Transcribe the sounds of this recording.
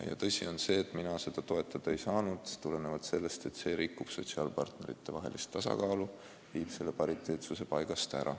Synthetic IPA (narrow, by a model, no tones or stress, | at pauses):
jɑ̰t̪ɤsʲḭo̞nse̞ːt̪ːˑminɑse̞d̪̥ɑt̪o̞e̞t̪ːˑɑd̪̥ɑe̞jsɑːnud̪̥t̪ule̞nevɑt̪se̞lːe̞st̪e̞t̪ːse̞ːɾikːˑub̥so̞t̪siɑːlpɑrt̪ne̞ɾḭt̪ːe̞vɑɦe̞̰list̪ːɑsɑ̰kɑːlu | viːb̥se̞lːe̞pɑɾit̪ˑːe̞ːt̪suse̞pɑjɡ̥ɑst̪æ̰ɾʔɑ̰